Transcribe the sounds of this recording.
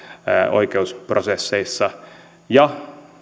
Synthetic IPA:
o̰jkeusprosesːeisːɑ | jɑ

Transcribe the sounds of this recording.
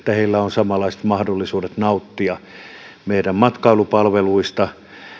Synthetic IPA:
t̪ːæheilːæonsɑmɑlːˑɑise̥t̪mɑhdolːisuːdet̪nɑut̪ːiɑ | meiræmmɑt̪kɑilupɑlʋeluist̪ɑ

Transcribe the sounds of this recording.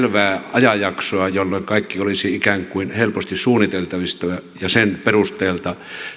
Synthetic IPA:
lʋæːɑjɑjɑksoɑjolːoiŋkɑˑikːiolisiikæŋkuinhelpost̪issuːnit̪elt̪ɑʋist̪ɑɑjɑsenperust̪eːlt̪ɑ

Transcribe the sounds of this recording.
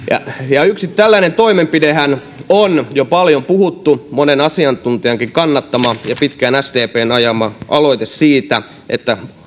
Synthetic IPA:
jɑ̰jɑyksitt̪ælːænent̪oimempidehæn | onjopɑljompuhut̪ːumonenɑsiɑnt̪unt̪iɑŋkiŋkɑnːɑt̪ːɑmɑjɑpit̪kænæst̪eːpeːnɑjɑmɑʔɑlo̞it̪essiːt̪æ | ʔḛt̪ːæ

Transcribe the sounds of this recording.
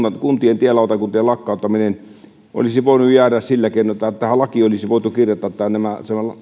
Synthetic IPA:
ɑkunt̪ient̪ielːɑˑot̪ɑkunt̪ielɑkːɑˑot̪ːɑminen | ʔo̰lisiʋoˑenujjæːræssilːækeˑinˑoet̪ːˑæt̪ːæhælɑkiolisiʋoˑet̪ukirjot̪ːˑɑt̪t̪ːæænnæmæsæmælɑ

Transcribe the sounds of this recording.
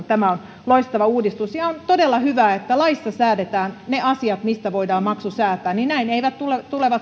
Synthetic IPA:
t̪æmæon | loist̪ɑʋɑuːdist̪usjɑont̪odelːɑhyʋæːet̪ːælɑisːɑsæːdet̪æːnneʔɑsiɑt̪mist̪æʋoidɑːmmɑksusæːt̪ˑæːnninnæineiʋæt̪tulet̪uleʋɑt̪

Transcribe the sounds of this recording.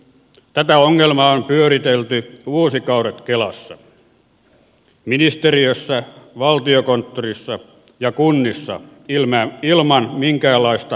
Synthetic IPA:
t̪æt̪æoŋːelmɑompyøɾit̪elt̪yuosikɑuret̪kelɑsːɑ | minist̪eriøsːæʋɑlt̪iokont̪ːorisːɑ | jɑkunːisːɑ̰ | ilmæilmɑnmiŋkæːlːɑist̪ɑ

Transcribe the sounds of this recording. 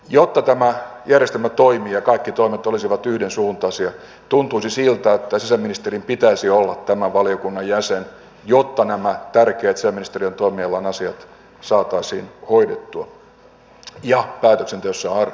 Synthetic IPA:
jot̪ːɑt̪æmæjærjest̪elmæt̪oimiːjɑkɑikːit̪oimet̪olisiʋɑt̪yhdensuːnt̪ɑsiɑ | t̪unt̪uisisilt̪æet̪ːæsisæminist̪erimpit̪æisiolːɑt̪tæmæʋɑliokunːɑjjæsen | jot̪ːɑnæmæt̪ærkeːt̪sisæminist̪erient̪oimiɑlːɑnɑsiɑt̪ | sɑːt̪ːˑɑisḭːnhoidet̪ːuɑ | jɑpæːt̪øksent̪eøsːæɑr

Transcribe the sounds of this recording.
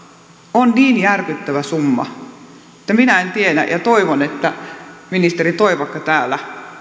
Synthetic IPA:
onniːnjærkyt̪ːæʋæsumːɑ̰ | ĕt̪ːæminæent̪ienæ̰jɑt̪oiʋonet̪ːæminist̪erit̪oiʋɑkːɑt̪æːlːˑæ

